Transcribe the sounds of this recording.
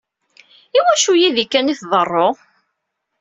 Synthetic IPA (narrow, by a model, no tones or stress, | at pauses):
iwæʃujiðikːæniθðˤərˤːo